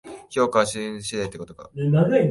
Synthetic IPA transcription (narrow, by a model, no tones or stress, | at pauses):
çʲo̞ːkaɕĩɕid̪et̪ːeko̞t̪oka̰naɾɯ